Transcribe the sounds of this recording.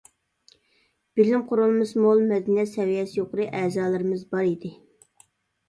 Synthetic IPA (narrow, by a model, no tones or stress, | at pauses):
b̥ɪlɪmqʰʊɾulˠmɨsmolˠmɛd̪nɛsɛwijɛsjoqəɾɨʔɛːzɑːlˠɨɾɨmɨzbɑɾid̪ɪ